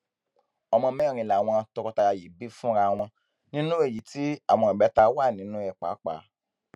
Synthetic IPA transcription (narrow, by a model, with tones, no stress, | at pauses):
ɔ˧mɔ̃˧mɛ̃˦˨ɾĩ˧˨la˨w̃ɔ̃˧tɔ˧kɔ˧ta˧ja˧ji˨˦bi˦fũ˦ɾa˧w̃ɔ̃˧ | nĩ˦nũ˦e˦˨ji˨˦ti˦a˦˨w̃ɔ̃˧˨i˨ɛ˨˦ta˧wa˦˨nĩ˨˦nũ˦ɛ˦˨k͡pa̰˨˦k͡pa̰˨˦